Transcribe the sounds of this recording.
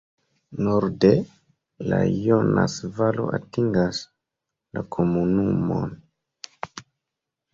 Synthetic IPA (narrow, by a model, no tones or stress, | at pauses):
noɾde | lajonasvalo̞̰ʔatiŋɡas | lakʰomunumo̰n